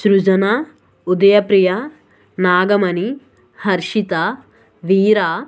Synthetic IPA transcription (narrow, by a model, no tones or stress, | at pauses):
ʃɾud͡ʒɐna | ud̪ɐjɐpɾijɐ | naːɡɐmɐni | hɐɾʃit̪a | ʋiːɾaː